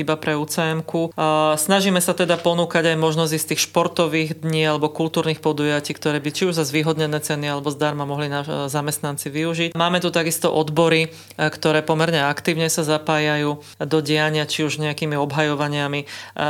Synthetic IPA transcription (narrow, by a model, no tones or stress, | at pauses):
ibapɾɛut͡sɛjɛmkusnaʒiːmɛsat̪ɛd̪apɔnuːkaɟajmɔʒnɔzist̪iːxʃpɔɾt̪ɔʋiːɣd̪ɲiːalɛbɔkult̪uːɾniːxpɔd̪ujaciːkt̪ɔɾɛːbit͡ʃiuʒzazʋiːɦɔd̪ɲɛnɛːt͡sɛnialɛbɔzd̪aɾmamɔɦlinazamɛst̪nant͡siʋiuʒicmaːmɛt̪ut̪aɡist̪ɔʔɔd̪bɔɾi | kt̪ɔɾɛːpɔmɛɾɲɛakt̪iːʊɲɛsazapaːjajuː | d̪ɔɟɛjaɲɪat͡ʃiuʒɲɛakiːmiɔbɦajɔʋaɲɪami